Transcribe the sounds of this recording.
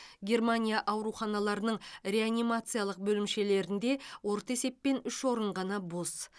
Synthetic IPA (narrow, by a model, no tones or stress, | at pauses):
ɡʲe̞rmanʲijaʔɑwɾuχɑnɑlˠɑɾənəɴrʲe̞anʲimat̪sɨjalˠəq̚bɵlɪmʃe̞le̞ɾɪnd̪e̞wo̞ɾt̪əe̞se̞pːe̞nʏʃwo̞ɾəɴʁɑnɑbo̞s